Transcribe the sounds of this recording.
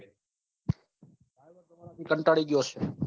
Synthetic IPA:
aː | iːkəɳʈaːɽiːɠɪjoːseː

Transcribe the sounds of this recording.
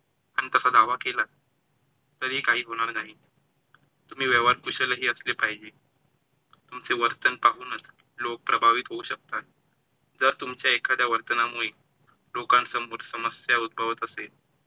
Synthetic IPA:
aɽ̃it̪əsad̪aʋakela | t̪əɾɦiːkaɦiːɦoɽ̃aɾnaɦi | t̪um̤iːʋɛʋaɾkuɕələɦiːəslepaɦid͡ʑe | t̪umt͡seʋəɾt̪ənpaɦuːnət͡s | lok̚pɾəbʱaʋit̪ɦouɕək̚t̪at̪̚ | d͡zəɾt̪umt͡ɕjaekʰad̪jaʋəɾt̪ənamuɭe | lokãnsəmuːɾsəməsjaud̪̚bʱəʋət̪əse

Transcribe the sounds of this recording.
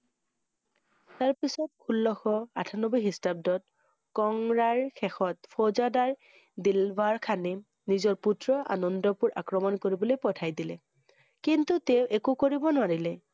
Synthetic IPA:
taɹpisɔt̚kʰulːɔxɔa̰tʰanɔbɔjɦistab̚dɔt̚ | kɔŋɹaɹkʰɛxɔtpʰɔzadaɹ | dilbʱaɹkʰani | nizɔɹputɹɔʔa̰nɔndɔpuɹʔakɹɔmɔnkoɹibɔlojpɔtʰajdilɛ̰ | kintuteʊʔekokoɹibɔnʊwaɹilɛ

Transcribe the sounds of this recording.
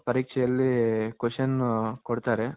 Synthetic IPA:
pɐɾiːkʂɛjɐlːikuʂɐnkoɽt̪aːɾe

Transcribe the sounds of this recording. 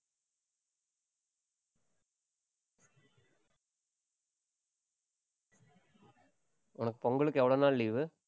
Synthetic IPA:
ɔnɐkːɯ̥poŋɡɐɭɯkːeʋiɽonːaːlːijʋɨ

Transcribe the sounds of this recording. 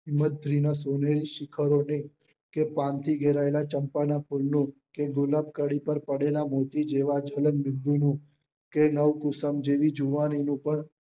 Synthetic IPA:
ɦɪmːət̪̚d̪ʱɾinasoneɾiʃɪkʰəɾone | kepãnt̪ʰiɡʱeɾaelat͡ʃəmpanapʰulnũkeɡʊlab̚kəɽipəɾpəɽelamot̪id͡ʒeʋad͡ʒələnmɪld̪unũ | kenəʋkʊsəmd͡ʒeʋid͡ʒuʋaninũpəɳ

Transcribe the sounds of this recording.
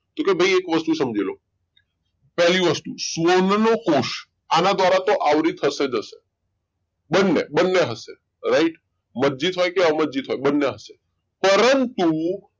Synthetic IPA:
t̪okebʱəjekʋəst̪usəmd͡ʒelo | pɛɦliʋəst̪usʋonnokoʃ | anad̪ʋaɾat̪oʔaʋɾit̪ʰəsed͡ʒəʃe | bənːebənːeɦəse | ɾaiʈ | məd͡ʒit̪ɦojkeaməd͡ʒit̪ɦojbənːeɦəse | pəɾənt̪u

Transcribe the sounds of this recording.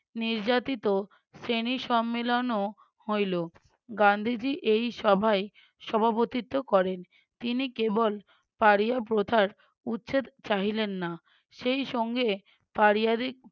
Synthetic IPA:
niɾd͡ʑat̪it̪o | seniʃɔmːelono | hojlo | ɡand̪ʱid͡ʑiʔejʃɔbʱae | ʃɔbʱapot̪it̪ːokɔɾen | t̪inikebol | paɾijap̬ɾod̪ʱʰaɾ | utːɕʰet͡ɕaɦilenːa | ʃejʃɔŋɡe | paɾijad̪ik̚

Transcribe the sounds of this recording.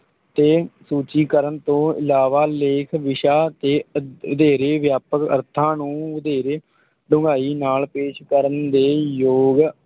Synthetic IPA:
t̪eːsuːt͡ʃiːkəɾənt̪õːɪ̰laːʋaːleːkʰʋɪʃaːt̪eːəd̪eːɾeːʋjaːpəkə̰ɾt̪ʰãːnũːʋʊd̪eːɾeː | ɖʊ̃ŋɡaːiːnaːlpeːʃkəɾənd̪eːjoːɡ

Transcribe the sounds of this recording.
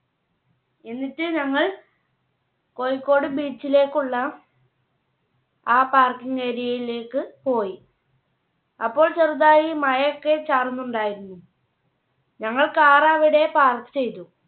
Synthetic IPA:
e̞nːitːɨɲɐŋːɐɭ | ko̞jikːo̞ːɽɨbiːt͡ɕːile̞ːkːuɭːɐ | aːpaːrkiŋeːɾijɐjile̞ːkːɨpo̞ːji | ɐpːo̞ːɭt͡ɕerut̪̬ːaːjimɐjɐokːe̞t͡ɕaːrunːuɳɖaːjiɾunːu | ɲɐŋːɐɭkaːraːʋiɽe̞paːrkːɨ̥t͡ɕe̞jt̪u

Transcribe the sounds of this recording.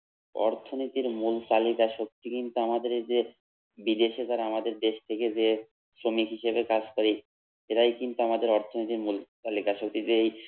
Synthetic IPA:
ɔ̰ɾt̪ʰonit̪iɾmult̪alikaʃok̚t̪ikint̪uamad̪eɾd͡ʑe | bid̪eʃet̪aɾaamad̪eɾd̪eʃt̪ʰeked͡ʑe | sɾomikɦiʃebekad͡ʑkoɾi | eʈajkint̪uamad̪eɾɔɾt̪ʰonit̪iɾmult̪alikaʃok̚t̪id͡ʑeej

